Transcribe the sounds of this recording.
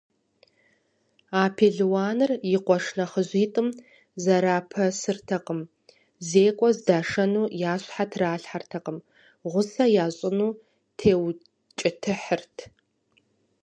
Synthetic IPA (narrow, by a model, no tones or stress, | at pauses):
aːpʰeɮwaːnɨrjɪqʷɔʂnɐχəʑiːtʼɨm | zɐɾaːpʰɐsɨrtʰɐqəm | zeːkʷʼɔzdaːʂɐnuːjaːɕʼħatʰraːɬħartʰɐqəm | ʁʷʊsɐjaːɕʼɪnuː | tʰeːw | t͡ʃʼɪtʰɨħərtʰ